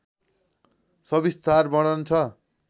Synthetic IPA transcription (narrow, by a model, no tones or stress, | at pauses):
sʌbist̪ʰarbʌɽʌnt͡sʰʌ